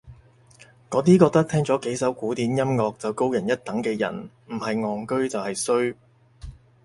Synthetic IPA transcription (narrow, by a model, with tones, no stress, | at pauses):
kɔː˨˥t̪iː˥kɔː˧k̚t̪ɐ˥k̚t̪ʰɛː˥ŋt͡sɔː˨˥ke˨˥jsɐ˨˥wkuː˨˥t̪iː˨˥njɐ˥mŋɔː˧k̚t͡sɐ˨wko˥wjɐ˨˩njɐ˥t̚t̪ɐ˨˥ŋkɛː˧jɐ̰˨˩n | m̩˨˩hɐ˨jŋɔː˨˩ŋkɵ˥ɥt͡sɐ˨whɐ˨jsɵ˥ɥ